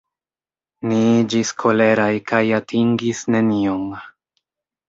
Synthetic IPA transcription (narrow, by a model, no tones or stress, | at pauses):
niid͡ʒiskʰo̞le̞ɾajkajatʰiŋɡisne̞nio̞ŋ